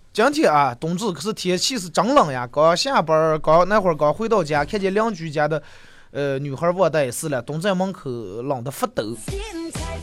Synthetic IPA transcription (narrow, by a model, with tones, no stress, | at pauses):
t͡ɕjɑ˥ŋt͡ɕjɛ˥˩a˥˧˩t̪ʊ˨˩ŋt͡sɹ̩˥˩kʰɤ˧˩ʂɹ̩˥˩t̪ʰɛ˧˥t͡ɕʰi˥˧ʂɹ̩˥˩ʈ͡ʂɑ˧˥ŋlɑ˨˩ŋja̰˧kɑ˨˩ʊ˧ɕja˥˩pə˧˥kɑ˧˥ʊna˥˩ɪxwə˧˥kɑ˨˧˩ʊxwe˥ɪt̪ɑ˥˩ʊt͡ɕja˥kʰjɛ˥t͡ɕjɛ˧˥ljɑ˥ŋt͡ɕy˧˥t͡ɕja˥d̪ə˨ | ə˧ny˨˩xə˞˧˥wɔ˥˧t̪a˥˩ɪ˩sɹ̩˥˧ljɑ˨˩t̪ʊ˧˥ŋt͡sa˥˩ɪmɑ˥ŋkʰɤ˧˥lɑ˨˩ŋd̪ə˦fə˥˩t̪ɤ˧˥